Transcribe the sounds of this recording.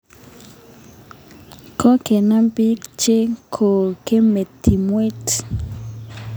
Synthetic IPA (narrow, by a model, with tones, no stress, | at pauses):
kʰɔ˦ke˨na˦mpi˦kt͡ʃe˦kʰo˨ke˦me˨tʰi˨mwe˦t